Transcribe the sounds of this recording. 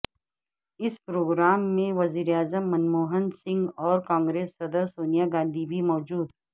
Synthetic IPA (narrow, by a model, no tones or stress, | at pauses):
ɪspɾoːɡɾaːmːẽʋɐziːɾeaːzəmːɐnmoːɦənsɪ̃ŋɡɔːɾkãːŋɡɾeːsːɐd̪əɾsoːnijaɡãːnd̪ʱibʱimɔːd͡ʒuːd̪